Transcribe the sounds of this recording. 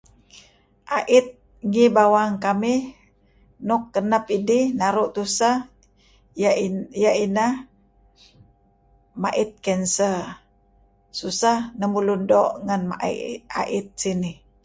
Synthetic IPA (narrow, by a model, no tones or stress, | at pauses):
ʔaʔɪt̪̚ | ŋibawaŋkamih | nɔkːənap̚idihnaɾuʔt̪usa | jaina | maʔit̪̚kɛnsə | susahnəmulundɔʔŋanmaʔa̰ʔit̪̚sini